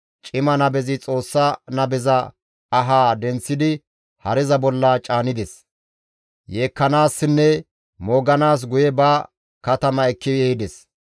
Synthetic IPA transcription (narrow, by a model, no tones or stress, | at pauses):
t͡ʃʼɪmɐnɐbɛzɪt͡sʼo̞ːsːanɐbɛzɐː | ɦaːd̪ɛnt͡sːɪd̪ɪ | hɐɾɛzɐbɔlːɐt͡ʃʼaːnɪd̪ɛs | jeːkːɐnaːsːɪnːɛ | moːɡɐnaːs̬ɡʊjɛbɐ | kɐt̪ɐmɐɛkːɪd̪ɛhɪd̪ɛs